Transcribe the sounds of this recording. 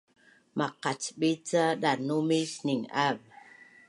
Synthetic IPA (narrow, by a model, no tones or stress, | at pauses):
mʔaqat͡ʃɓit͡saɗanumisniŋav